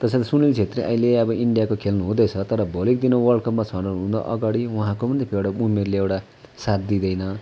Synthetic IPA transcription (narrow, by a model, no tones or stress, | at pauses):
t̪ʌsʰãt̪ʌsunilt͡sʰet̪riʔʌ̰ileʌbʌʔiɳɖijakokʰelnuɦũd̪ʌjt͡sʰʌt̪ʌɾʌbʱʌlik̚d̪inowʌlkʌpmat͡sʰʌɽʌɦũnd̪ʌ̰ʔʌ̰ɡaɽiuɦãkomʌnd̪epʰewɽʌumerleewʈa | sat̪̚d̪id̪ʌjnʌ